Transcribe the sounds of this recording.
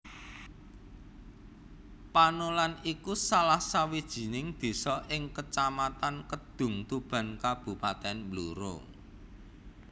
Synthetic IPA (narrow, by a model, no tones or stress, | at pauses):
panolanikusalahsawid̥ʒ̥i̤nɪŋd̪̥e̤sɔʔɪŋkət͡ʃamat̪ankəd̪̥ʊ̤ŋt̪ub̥a̤nkab̥ṳpat̪ɛnmbluɾo̰